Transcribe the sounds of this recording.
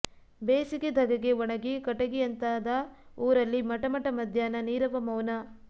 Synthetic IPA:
beːsiked̪ʱɐɡɐɡeʋɔɳɐɡikɐʈɐɡijɐnt̪aːd̪ɐ | uːɾɐlːimɐʈɐmɐʈɐmɐd̪ʱjaːnɐniːɾɐʋɐmɐwnɐ

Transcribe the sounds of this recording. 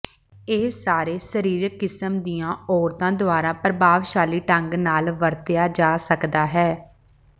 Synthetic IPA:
eːsaːɾeːsəɾiːɾkːɪsəmd̪ijãːɔːɾt̪ãːd̪ʊaːɾãːpɾəbaːʋʃaːliːʈəŋɡnaːlʋəɾt̪ɪjaːd͡ʒaːsəkd̪aːɦɛː

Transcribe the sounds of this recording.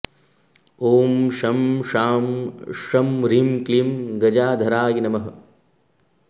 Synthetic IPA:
oːmʃɐmʃaːmʂɐmɾimklimɡɐd͡ʒaːd̪ʱɐɾaːɡinɐmɐɦɐ̆

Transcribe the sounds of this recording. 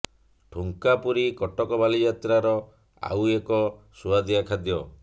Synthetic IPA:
ʈʰuŋkapuɾikɔʈɔkɔbalid͡ʒat̪ɾaɾɔ | a̰wekɔsuad̪iakʰad̪jɔ

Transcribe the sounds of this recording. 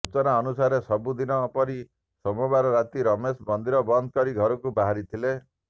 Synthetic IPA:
ut͡ʃɔnaɔnusaɾesɔbud̪inɔpɔɾi | sɔmɔbaɾɔɾat̪iɾɔmesbɔnd̪iɾɔbɔnd̪ʱkɔɾiɡʱɔɾɔkubaɦaɾit̪ʰile

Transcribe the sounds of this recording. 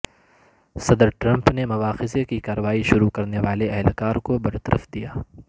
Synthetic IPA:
sɐd̪əɾʈɾɐ̃mpnemʊʋaːxɪzekikaːɾəʋaːiʃʊɾukɐɾneʋaːleɛɦlkaːɾkobɐɾt̪ɐɾʔə̰fd̪ijaː

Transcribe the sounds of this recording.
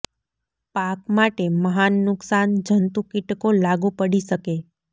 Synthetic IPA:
pakmaʈeməɦanːʊksand͡ʒʱənt̪ukɪʈkolaɡũpəɽiʃəke

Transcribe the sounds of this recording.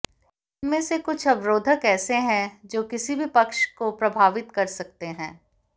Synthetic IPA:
ɪɪnmẽsekʊt͡ʃʰɐbɾoːd̪ʱəkɛːseɦɛ̃d͡ʒoːkɪsibʱipɐkʃkopɾɐbʱaːʋɪt̪kɐɾsɐk̚t̪eɦɛ̃ː

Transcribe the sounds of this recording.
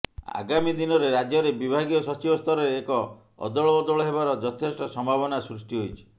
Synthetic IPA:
a̰ɡamid̪inɔɾeɾad͡ʒjɔɾebibʱaɡijɔsɔt͡ʃibɔst̪ʰɔɾɔɾeːkɔ̰ː | d̪ɔɭɔbɔd̪ɔɭɔɦebaɾɔd͡ʒɔt̪ʰesʈɔsɔmbʱabɔnasɾusʈiɦojt͡ʃʰi̥

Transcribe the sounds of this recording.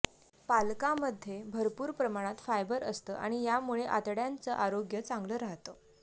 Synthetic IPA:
palkaməd̪ʱːjebʱəɾpuːɾpɾəmaɽ̃at̪fajbəɾəst̪ə̰ːʔaɽ̃ijamuɭeʔat̪ɽjant͡səʔaɾoɡjət͡sãŋɡləɾaɦt̪ə

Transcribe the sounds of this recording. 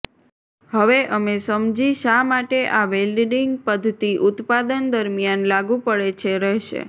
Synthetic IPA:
ɦəʋeʔəmesəmd͡ʒiʃamaʈeʔaʋelɖɖiŋɡ̚pəd̪ʱt̪iʔʊt̪pad̪ənd̪əɾmjanlaɡũpəɭet͡ʃʰeɾɛɦʃḛ

